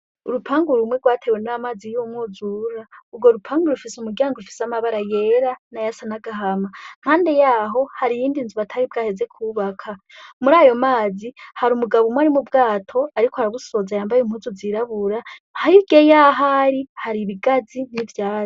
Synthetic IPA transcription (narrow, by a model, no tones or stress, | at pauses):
uɾupʰaːŋɡuɾumwe̞ɡwaːtʰewenamaːzijumŋuzuɾaubɡo̞ɾupʰaːŋɡuɾufisumuɾɟaːŋɡoɾufi̥samaβaɾajeɾanajasanaɡaɦamaŋ̥haːnde̞jaːɦo̞haɾijiːndinzuβatʰaɾibɡaːhe̞ze̞kʰuβakʰamuɾaːjo̞maːzihaɾumuɡaβumwaɾimubɡaːtʰo̞aɾikohaɾaβusozajaːmbajem̥huzuziɾaβuɾahajiɡ̥ejaɦaɾihaɾiβiɡazinivjaːzo